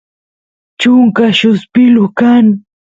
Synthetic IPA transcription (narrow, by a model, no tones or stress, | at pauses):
t͡ʃʊŋkaʃʊspɪlʊkaŋ